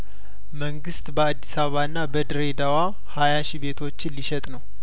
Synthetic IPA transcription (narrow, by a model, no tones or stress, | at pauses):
məŋɡɨst̪bəad̪ːisaβəβaɨnːabəd̪ɨɾe̞d̪awa | hajaʃiβe̞t̪ʰo̞t͡ʃːɪnliʃɛt̪ʼnəw